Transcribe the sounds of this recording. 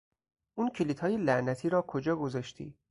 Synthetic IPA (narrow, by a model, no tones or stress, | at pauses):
ʔuːncʰeliːt̪ʰhɒːjelæʔnæt̪ʰiːɾɒːkʰod͡ʒɒːɡozɒːʃt̪ʰḭː